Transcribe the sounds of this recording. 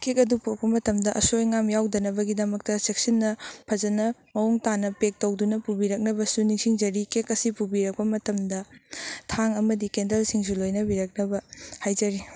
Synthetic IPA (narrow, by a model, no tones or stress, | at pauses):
kʰekɐdupopɐmɐtɐmdɐʔɐsojŋamjawdɐnɐbɐɡidɐmɐk̚tɐsek̚sɐnːɐpʰɐzɐnɐmɐuŋtanɐpek̚tɐwdunɐpubiɾɐk̚nɐbɐsuniŋsiŋd͡ʒɐɾikekɐsipubiɾɐk̚pɐmɐtɐmdɐtʰaŋɐmɐdikendɐlsiŋs̬ulojnɐbiɾɐk̚nɐbɐhajd͡ʒɐɾi